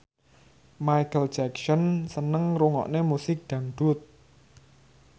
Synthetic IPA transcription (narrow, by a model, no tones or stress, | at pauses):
majkəl̥d͡ʒaksɔnsənəŋɾuŋɔ̰ʔnemusɪk̚d̪̥a̤ŋɖ̪̥ʊt̪̚